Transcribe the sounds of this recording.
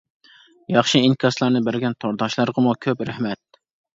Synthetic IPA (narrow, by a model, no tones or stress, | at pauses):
jɑχʃiiŋkʲʰɑslˠɑɾnɨbæɾɡʲɛnt̪ʰoɾd̪ɑʃlˠɑɾʁəmukʲʰøpɾæhmɛt̪̚